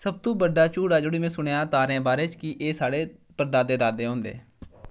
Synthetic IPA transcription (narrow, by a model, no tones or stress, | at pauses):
səb̚t̪õːbəɖaːt͡ʃuːɽaːd͡ʒoːɽiːmẽːsʊɳejaːt̪aːɾẽːbaːɾeːt͡ʃkiʔeːsaːɽeːpəɾd̪aːd̪eːd̪aːd̪eːɦõːnd̪ḛː